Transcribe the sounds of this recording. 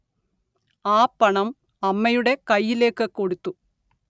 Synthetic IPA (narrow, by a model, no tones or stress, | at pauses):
aːpːɐɳɐm | ɐmːɐjuɽe̞kɐjːile̞ːkːɨko̞ɽut̪ːu